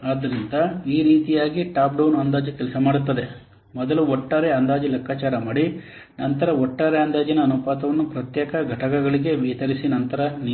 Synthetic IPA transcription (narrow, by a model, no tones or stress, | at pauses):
aːd̪ɐɾind̪ɐiːɾiːt̪ijaːɡiʈaːpɖɐwnɐnd̪aːd͡ʒikɛlsɐmaːɽut̪ːɐd̪e̞ | mɔd̪ɐluɔʈːaːɾeɐnd̪aːd͡ʒilɐkʰːaːt͡ʃaːɾɐmaːɽi | nɐnt̪ɐɾɐɔʈːaːɾeɐnd̪aːd͡ʒinɐːnupaːt̪ɐʋɐnːupɾɐt̪jɛːkɐɡʱɐʈɐkɐɡɐɭiɡe̞ʋijɐt̪ɐɾisinɐnt̪ɐɾɐn